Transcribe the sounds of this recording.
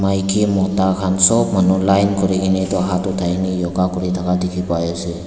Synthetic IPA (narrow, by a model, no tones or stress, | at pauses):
majkʰimɔtakʰansɔbmanulajnkɔɾiɡinɛtɔaɦatɔtʰajnijɔɡakɔɾitʰakadikʰipajɔsi